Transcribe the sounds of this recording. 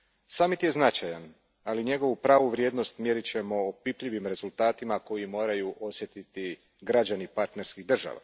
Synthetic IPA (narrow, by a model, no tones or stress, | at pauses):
saːmit̪je̞znat͡ʃajan | aliɲe̞ɡo̞ʋupɾaːʋuʋɾje̞ːd̪no̞st̪mjeɾit͡ɕe̞mo̞ːpipʎiʋimɾe̞zulˠt̪aːt̪imako̞jimo̞ːɾajuʔo̞sje̞t̪it̪i | ɡɾad͡ʑanipaɾt̪ne̞ɾskiɣd̪r̩ʒa̰ʋa̰